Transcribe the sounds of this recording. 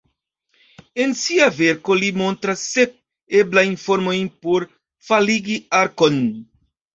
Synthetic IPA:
ẽnsiaveɾkolimõnt̪ɾɐsek̚ | eblaĩfoɾmoĩpoɾ | faliɡiaɾkon

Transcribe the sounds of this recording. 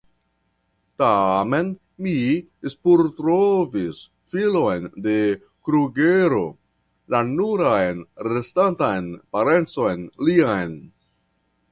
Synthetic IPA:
tame̞n | mi | spuɾtɾovis | filo̞jnde̞ | kɾuɡeɾo̞̰ | lanuɾajnɾestantajnpaɾe̞nt͡so̞jnliajn

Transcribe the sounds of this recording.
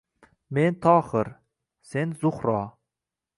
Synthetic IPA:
ment̪ʰɒːχɨɾ | se̞nzʊχɾɒ

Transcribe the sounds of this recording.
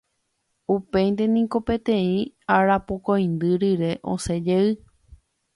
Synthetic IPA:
upe̞jnd̪e̞nĩko̞pe̞t̪ẽĩaɾapokoj̃nd̪ɨɾiɾe̞ʔõ̰se̞d͡ʒeɨ

